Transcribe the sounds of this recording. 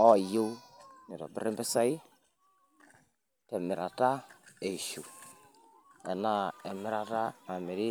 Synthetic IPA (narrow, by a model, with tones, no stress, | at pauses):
ɔ˦˨jo˦ni˨ɾɔ̰˨bɪ̰˦ɾɪ˦mbɛ˦sa˦i˦ | tɛ˨mɪ˨ɾa˨ta˦e˨ʃu˨ | ɛ˨na˦ɛ˨mɪ˦ɾa˨ta˦ma˨mɪ˨ɾɪ˦